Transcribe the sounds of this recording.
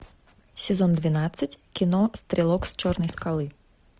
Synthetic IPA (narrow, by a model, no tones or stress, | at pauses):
sʲɛzɔnd̪ʋʲinat̪sʲːɐtʲkʲinɔst̪ɾʲɛlˠɔkst͡ʃɔrnɐjskalˠɨ